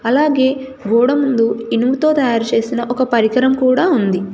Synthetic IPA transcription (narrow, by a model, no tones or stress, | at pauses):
ɐlaːɡe̞ː | ɡuːɽɐmund̪uinmut̪o̞ːt̪ɐjaːɾut͡ʃe̞ːsinɐʔɔkɐpɐɾikɐɾɐmkuːɽaːund̪i